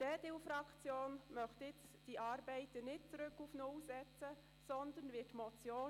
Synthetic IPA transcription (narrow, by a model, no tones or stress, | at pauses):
d̥ɛdewfɾɑkt͡sjoːnmœχtɪt͡s | d̥iʔɑːɾbɛɪt̪ənɪt̚t͡sɾʏkːufnʊwsɛt͡sə | sɔnd̪ənʋɪːtmɔt͡sjoː